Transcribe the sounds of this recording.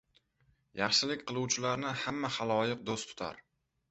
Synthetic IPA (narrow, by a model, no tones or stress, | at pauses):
jɑχʃɪlɪkʲqʰɨlˠuwt͡ʃʰɪlaɾnɪhamːahalˠɒjɪq̚d̪ost̪ʰʊ̥t̪ʰa̰ɾ